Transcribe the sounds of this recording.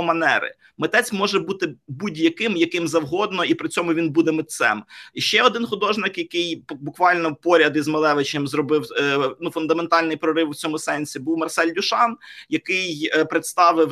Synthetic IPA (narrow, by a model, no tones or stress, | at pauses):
mɐnɛɾɪ̰ | mɪt̪ɛt͡sʲmɔʒɛbut̪ɪbudʲjɐkɪmjɐkɪmzɐwɦɔd̪nɔipɾɪt͡sʲɔmʊʋʲinbud̪ɛmɪt̪sɛ̰mʃt͡ʃɛɔd̪ɪnxʊd̪ɔʒnɪkjɐkɪjbʊkʋɑlʲnɔpɔɾʲɐd̪izmɐlˠɛʋɪt͡ʃemzrɔbɪwnufʊnd̪ɐment̪ɑlʲnɪjpɾɔɾɪwwt͡sʲɔmʊsɛnʲsʲibuwmɐrsɛlʲdʲʊʃɑnjɐkɪjpɾɪt̪st̪ɑʋɪw